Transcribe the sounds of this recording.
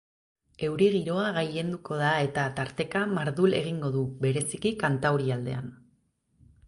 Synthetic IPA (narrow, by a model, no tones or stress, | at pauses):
e̞wɾiɣiɾo̞aɣaje̞nd̪uko̞ð̞ae̞t̪at̪aɾt̪e̞kamaɾðule̞̰ɣ̞iŋɡo̞ðuβe̞ɾe̞sikikant̪awɾiald̪e̞an